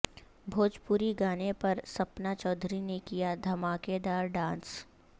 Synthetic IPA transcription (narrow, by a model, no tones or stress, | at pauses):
bʱoːd͡ʒpuːɾiɡaːnepɐɾsɐpnat͡ʃɔːd̪ʱɾinekijad̪ʱɐmaːked̪aːɾɖãːns